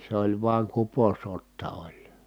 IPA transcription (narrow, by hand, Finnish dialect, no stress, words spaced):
s olʲ ʋuɑŋ kuposotːɑ olʲ